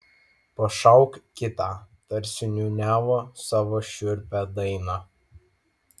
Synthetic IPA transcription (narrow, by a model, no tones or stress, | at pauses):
pɐʃɐʊkkʲɪt̪ɑːt̪ɐɾʲsʲɪnʲuːnʲæːʋoːsɑːʋoːʃʲʊɾʲpʲæd̪ɐɪnɑː